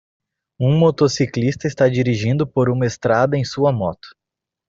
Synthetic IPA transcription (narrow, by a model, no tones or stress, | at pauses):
ũmot̪osiklist̪ɐɪst̪ad͡ʒiɾiʒĩnd̪ʊpoɾũmɐest̪ɾad̪ɐẽj̃suɐmɔt̪ʊ̥